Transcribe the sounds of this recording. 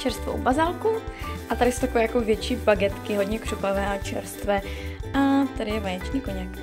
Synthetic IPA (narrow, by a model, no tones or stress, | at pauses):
t͡ʃɛɾst̪vo̰wbazalkuʔat̪aɾɪsowt̪akovɛːjakovjɛt͡ʃiːbaɡɛt̪kɪɦodɲɛkr̝̥upavɛːʔat͡ʃɛ̰ɾst̪vɛːʔat̪adɪjɛvajɛt͡ʃniːkoɲak